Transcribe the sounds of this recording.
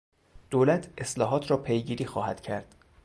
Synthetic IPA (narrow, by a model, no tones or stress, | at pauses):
d̪̥oːlæt̪ʰe̞slɒːɦɒːt̪ʰɾɒːpʰe̞jɟiːɾiːxɒːhæd̪̥cʰæɾd̪̥